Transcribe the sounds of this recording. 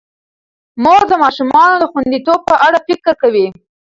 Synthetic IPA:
moɾd̪əmɑʃumɑnod̪əxwand̪it̪ob̚pəʔaɽafɪkəɾkawi

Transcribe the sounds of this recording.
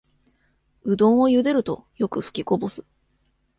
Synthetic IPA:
ɯ̟d̪õ̞ɰ̃o̞jɯ̟d̪e̞ɾɯ̟t̪o̞jo̞kɯ̟ɸɯ̥kʲiko̞bo̞sɨ̥

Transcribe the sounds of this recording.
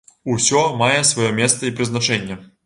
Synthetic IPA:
usʲɔmajɛsvajɔmʲɛst̪ɐipɾɨznat͡ʂɛnʲːɛ

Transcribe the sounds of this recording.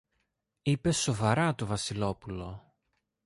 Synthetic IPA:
ipe̞so̞vɐɾɐt̪o̞vɐsilo̞pulo̞

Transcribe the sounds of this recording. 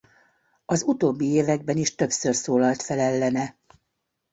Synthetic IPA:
ɒzut̪oːbːieːvɛɡ̚bɛniʃt̪ø̞psørsoːlɒlt̪fɛlɛlːɛnɛ

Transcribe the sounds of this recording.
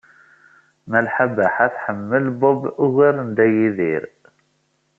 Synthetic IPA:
mælħabaħæθħəmːəlbɔbʊɣəɾənd̪æjiðḭɾ

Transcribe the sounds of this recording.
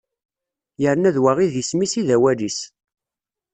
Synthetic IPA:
jəɾnæðwaʁiðjəsmisiðæwælis

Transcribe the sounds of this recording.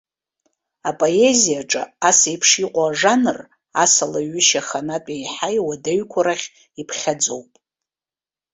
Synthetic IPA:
apʼo̞e̞zijaʈ͡ʂʼa̰asajpʰʂiqʷʼaːʐanɨr | asalaɥʏʃaχanatʼejħajwadeɥkʷʰaɾaχʲ | ipʰχʲad͡zo̞wpʼ

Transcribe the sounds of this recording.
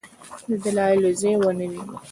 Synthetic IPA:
d̪əd̪alɑɪlozewənəwi

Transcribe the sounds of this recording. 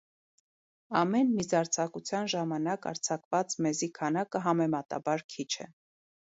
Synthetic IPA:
ɑmɛnmizɑɾt͡sʰɑkut͡sʰjɑnʒɑmɑnɑkɑ̰ɾt͡sʰɑkvɑt͡smɛzikʰɑnɑkəɦɑmɛmɑt̪ɑ̰bɑɾkʰit͡ʃʰɛ̰

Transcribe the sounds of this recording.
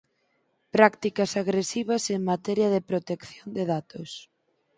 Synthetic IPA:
pɾakt̪ikɐsaɣɾesiβɐseŋmat̪ɛɾjɐðepɾot̪ekθjond̪eðat̪os

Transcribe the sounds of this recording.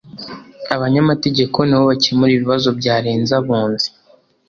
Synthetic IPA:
aβaɲamate̞ɟe̞kʰo̞niβoβacemuɾiːβiβazo̞bɟaːɾeːnzaβuːnzi̥

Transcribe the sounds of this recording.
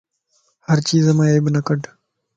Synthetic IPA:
həɾt͡ʃiːzəmãːeːbɪnəkəɖ

